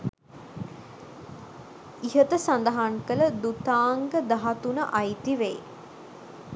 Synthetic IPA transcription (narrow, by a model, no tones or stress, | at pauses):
iɦət̪əsand̪əɦaŋkələd̪ut̪aːŋɡəd̪aɦat̪unəʔajt̪iʋej